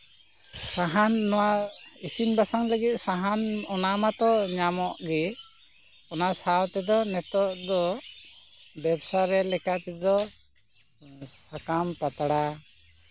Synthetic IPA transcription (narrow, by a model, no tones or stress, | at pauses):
saɦanːɔwaisinbasaŋləɡit̪̚ˀsaɦanɔnamat̪ɔɲamɔʔɡɛ | ɔnasawt̪ɛd̪ɔnɛt̪ɔʔd̪ɔ | bɛbsaɾɛlɛkat̪ɛd̪ɔ | sakampat̪aɽa